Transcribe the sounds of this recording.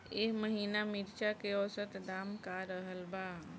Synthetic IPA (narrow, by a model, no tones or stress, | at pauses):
eːɦməɦiːnamɪɾt͡ʃakeɔːsət̪d̪aːmkaɾəɦəlbaː